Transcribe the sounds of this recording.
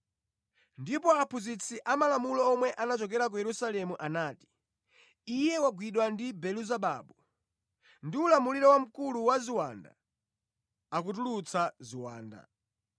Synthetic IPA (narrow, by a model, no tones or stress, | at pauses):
ndipɔapʰuzit͡sʰiʔamalamulɔːmwɛʔanat͡ʃɔk̬ɛɾak̬ujɛɾusalɛmuʔanaːti̥ː | jɛwaɡwiɗwandibɛluzaɓa̰ːɓu | ndiulamuliɾɔwam̩kuluwaziwanda̰ | ak̬utulut͡sʰaziwa̰ːnda̰